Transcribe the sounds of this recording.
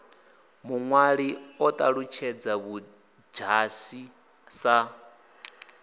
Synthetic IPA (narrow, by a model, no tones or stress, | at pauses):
muŋwaɺiɔt̪ʼaɺut͡ʃʰɛd͡zaβu | d͡ʒasi | sa